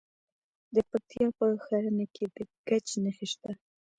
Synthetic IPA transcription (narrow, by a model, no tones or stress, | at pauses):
d̪əpat̪jɑpəxaɾənekʰed̪əɡat͡ʃnaxiʃt̪a